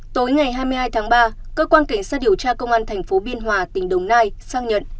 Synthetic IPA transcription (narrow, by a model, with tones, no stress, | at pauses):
t̪o˨˦jŋa˨˩jɦaː˧jmɨ˧jɦaː˧jt̪ʰaː˨˦ŋɓaː˧ | kəː˧kwaː˧nka˧˩ŋ̟saː˧˥ɗi˨˩əwt͡ɕaː˧kə˧wŋ͡mʔaː˧nt̪ʰɛ˨˩ŋ̟fo˨˦ɓi˧ənɦwaː˨˩t̪ï˨˩ŋ̟ɗə˨˩wŋ͡mnaː˧jsaː˧ŋɲə̰˨n